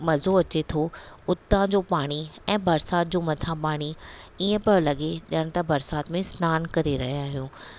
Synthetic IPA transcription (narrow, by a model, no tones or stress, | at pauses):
mɐzoɐt͡ɕet̪ʰoʊt̪ãd͡ʑoːpaːɽ̃iɛ̃ːbɐɾsaːt̪̚d͡ʑoːmɐt̪ʰãpaːɽ̃iiːə̃pɐlɐɠeɗɪəɽ̃̆t̪ɐbɐɾsaːt̪mẽsnaːnkɐɾeɾɐɦijaːɦijũː